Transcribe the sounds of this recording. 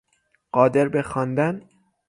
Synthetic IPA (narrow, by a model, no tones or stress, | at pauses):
ɢ̥ɒːd̪e̞ɾbexɒːnd̪æn